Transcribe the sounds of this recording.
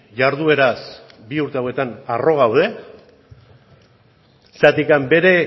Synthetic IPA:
jaɾðue̞ɾas | biuɾt̪eawe̞t̪anaro̞ɣ̞awð̞e̞ | sat̪ikambe̞ɾe̞

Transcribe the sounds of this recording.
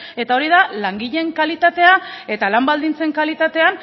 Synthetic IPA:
e̞t̪ao̞ɾiðalaŋɡiʎe̞ŋkalit̪at̪e̞ae̞t̪alambald̪int͡se̞ŋkalit̪at̪e̞an

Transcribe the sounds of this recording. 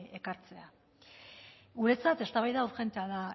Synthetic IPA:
e̞kaɾt͡se̞a | ɣuɾe̞t͡sat̪e̞st̪aβajðauʝe̞nt̪e̞aða

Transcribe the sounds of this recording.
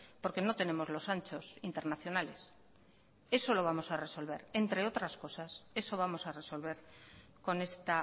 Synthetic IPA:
po̞ɾke̞no̞t̪e̞ne̞mo̞zlo̞sant͡ʃo̞sint̪e̞ɾnaθjo̞nale̞s | e̞so̞lo̞β̞amo̞sare̞so̞lβ̞e̞ɾe̞nt̪ɾe̞o̞t̪ɾasko̞sase̞so̞β̞amo̞sare̞so̞lβ̞e̞ɾ | ko̞ne̞st̪a

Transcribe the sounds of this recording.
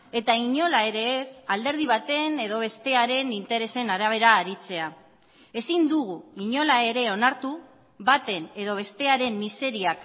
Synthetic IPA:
e̞t̪aiɲo̞lae̞ɾe̞ːsald̪e̞ɾð̞iβ̞at̪e̞ne̞ð̞o̞β̞e̞st̪e̞aɾe̞nint̪e̞ɾe̞se̞naɾaβ̞e̞ɾaːɾit͡se̞a | e̞sind̪uɣ̞uiɲo̞lae̞ɾe̞o̞naɾt̪u | βat̪e̞ne̞ðo̞β̞e̞st̪e̞aɾe̞mːise̞ɾiak

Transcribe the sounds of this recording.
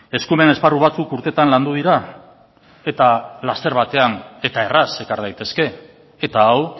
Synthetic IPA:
e̞skume̞ne̞sparuβ̞at͡sukuɾt̪e̞t̪anland̪uð̞iɾa | e̞t̪alast̪e̞ɾβat̪e̞ane̞t̪ae̞rase̞kaɾðajt̪e̞ske̞ː | t̪aːw

